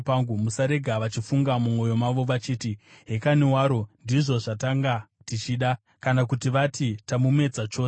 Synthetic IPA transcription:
paŋɡumusaɾe̞ɡʱaʋat͡ʃifuŋɡamumo̞jo̞maʋo̞ʋat͡ʃiːtiɦe̞kanewaːɾo̞ndiʐo̞ʐataŋɡa | tit͡ʃiɗa | kanakutiʋatitamume̞d͡zat͡ʃo̞ːs

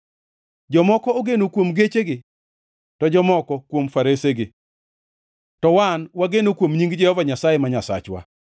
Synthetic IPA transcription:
d͡ʒɔmɔkɔoɡenokwomɡet͡ʃeɡɪ | tɔd͡ʒɔmɔkɔkwomfaɾeseɡɪ | tɔwanwaɡenokwomɲiŋɡd͡ʒɛhɔvaɲasajemaɲasa̰t͡ʃwa̰

